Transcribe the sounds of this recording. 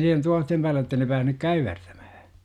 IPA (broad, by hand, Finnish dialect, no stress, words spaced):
siːhen tuohtem pæːlːe jotːei ne pæːhnyk kæyʋertæ̥m̥æ̥hæ̥